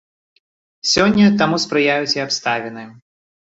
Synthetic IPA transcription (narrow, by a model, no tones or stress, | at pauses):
sʲɔnʲːɐt̪amuspɾɨjajut͡sʲiapst̪avʲɛnɨ